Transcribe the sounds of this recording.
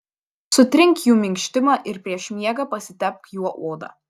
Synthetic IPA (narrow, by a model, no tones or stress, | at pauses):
sʊt̪ʲɾʲɪŋʲkjuːmʲɪŋʲkʃʲt̪ʲɪmɑːʔɪɾpʲɾʲiɛʃmʲiɛɡɐpɐsʲɪt̪ʲɛp̚kjuɔʔoːd̪ɑ̰ː